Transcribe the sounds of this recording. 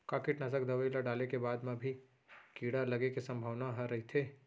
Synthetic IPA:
kaːkɪʈnɐsəkd̪ɐʋəilaɖaːlekebaːd̪mẽbʱi | kiːɽalɐɡekisɐ̃mbʱaːʋnaɦɐɾɐɦit̪ʰeː

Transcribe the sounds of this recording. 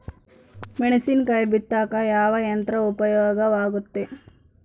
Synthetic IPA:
meɳɐsinkɐjɐbit̪ːaːkɐjaːʋɐjɐnt̪ɾɐupɐjɔːɡɐʋaːɡut̪ːe

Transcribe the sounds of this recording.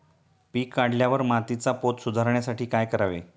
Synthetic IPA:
piːkːaɽljaʋəɾmat̪it͡sapot̪sud̪ʱaɾɳjasaʈʰiːkajkəɾaʋḛ

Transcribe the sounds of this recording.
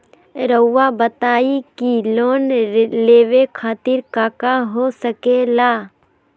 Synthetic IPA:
ɾəʊːabət̪aːikiloːnleːʋekʰaːt̪ɪɾkaːkaɦoːsəkelaː

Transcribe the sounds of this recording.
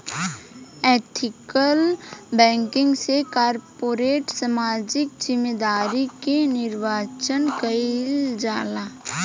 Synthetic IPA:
eːt̪ʰɪkəlbɛ̃ːŋkɪ̃ŋɡsekaːɾpoːɾeːʈsamaːd͡ʒɪkd͡ʒɪmeːd̪aːɾikenɪɾʋaːt͡ʃənkɐild͡ʒaːlaː

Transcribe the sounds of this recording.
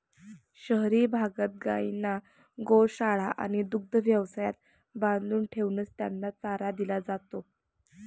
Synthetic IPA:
ɕəɦɾiːbʱaɡət̪̚ɡa̰ina | ɡoɭɕaɭ̤aʔa̰ñid̪uɡ̚d̪ʱəʋjəʋsajat̪̚ | bãnd̪luːnʈʰeʋnəst̪janːat͡saɾad̪ilad͡zat̪o

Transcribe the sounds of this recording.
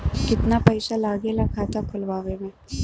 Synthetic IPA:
kɪt̪napɐɪsalaːɡelɐkʰaːt̪akʰʊlʋaːʋemẽ

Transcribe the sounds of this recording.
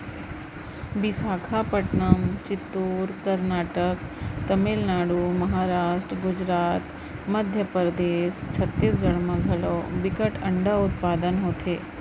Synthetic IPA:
bisaːkʰapəʈnəmt͡ʃɪt̪ːuːɾkəɾnaːʈəkt̪ɐmɪlnaːɽumɐɦaːɾaːʃʈɾəɡʊd͡ʒɾaːt̪ | məd̪ʱjəpəɾəd̪eːʃt͡ʃʰɐt̪ːiːsɡʱɐɽmãɡʱɐlobɪkəʈɐ̃ɳɖaʊt̪̚paːd̪ənɦoːt̪ʰeː

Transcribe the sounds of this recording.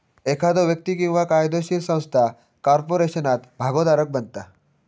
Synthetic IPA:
ekʰad̪oʋjək̚t̪ikĩw̃ʋakajd̪oɕiɾsə̃w̃st̪ʰa | kɔɾpoɾeɕənat̪bʱaɡod̪aɾək̚bənt̪a

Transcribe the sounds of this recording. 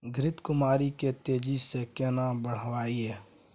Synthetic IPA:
ɡʱɾɪt̪kʊmaːɾiket̪eːd͡ʒisekeːnabəɽ̤ʋaːiɦɛː

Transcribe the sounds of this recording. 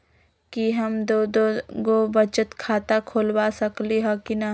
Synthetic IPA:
kiɦɐmd̪od̪oɡobɐt͡ʃət̪kʰaːt̪akʰoːlwasɐkliɦɔkina

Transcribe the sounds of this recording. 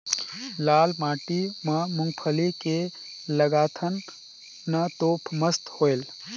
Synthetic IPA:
laːlmaːʈimɐ̃mʊ̃ŋɡpʰəlike | ləɡaːt̪ʰən | nɐt̪oːpʰməst̪hojl

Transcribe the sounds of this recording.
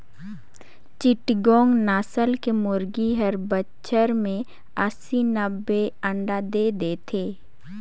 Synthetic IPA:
t͡ʃɪʈɡɔ̃ːŋɡnaːsəlkemʊɾɡiɦəɾbətːʃʰəɾmẽ | əsinəbːeə̃ɳɖad̪eːd̪eːt̪ʰeː

